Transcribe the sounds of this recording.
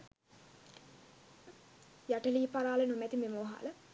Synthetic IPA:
jaʈəliːpaɾaːlenumɛt̪imeməʋɐɦa̰lə

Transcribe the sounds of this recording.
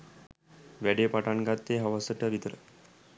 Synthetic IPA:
ʋɛɖepaʈaŋkat̪ːeɦaʋasəʈaʋit̪əɾə̰

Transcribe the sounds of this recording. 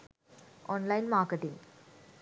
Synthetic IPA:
ʔɔnlɐɪnmaːɾkəʈɪ̃ŋ

